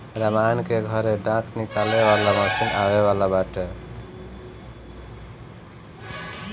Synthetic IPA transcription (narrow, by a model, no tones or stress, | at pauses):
ɾamankeɡʱʌɾeɖãknikaleβalamʌsinaweβalabaʈe